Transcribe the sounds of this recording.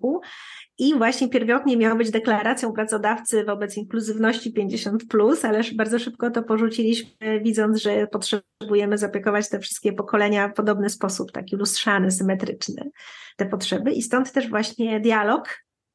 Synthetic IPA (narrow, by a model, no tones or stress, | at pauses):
u | ivwaɕɲɛpʲjɛɾvɔt̪ɲɛmʲjawbɘd͡ʑd̪ɛklaɾat̪sʲjɔ̃w̃pɾat̪sɔd̪aft̪sɘvɔbɛt̪siŋkluzɘvnɔɕt͡ɕipʲjeɲd͡ʑeɕɔnt̪plusalɛʂbaɾd̪zɔʂɘp̚kɔt̪ɔpɔʐut͡ɕilʲiɕmɘvʲid̪zɔnd̪zʐɛpɔtʂɛ | bujɛmɘzapʲjɛkɔvat͡ɕt̪ɛfʂɘst̪̚kʲɛpɔkɔlɛɲafpɔd̪ɔbnɘspɔsupt̪a̰kʲilustʂanɘsɘmɛt̪ɾɘt͡ʂnɘ̰t̪ɛpɔtʂɛbɘʔist̪ɔnt̪ːɛʐvwaɕɲɛd̪ʲjalɔk